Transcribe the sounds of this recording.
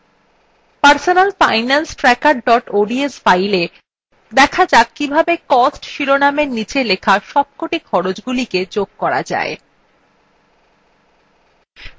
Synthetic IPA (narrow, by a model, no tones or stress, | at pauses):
paɾsonalfajnansʈɾɛkaɾɖɔʈoɖiesfajle | d̪ɛkʰad͡ʑakibʱabekɔsʈʃiɾonameɾnit͡ɕelekʰaʃɔb̚koʈikʰɔɾod͡ʑɡuliked͡ʑoɡ̚kɔɾa̰d͡ʑa̰e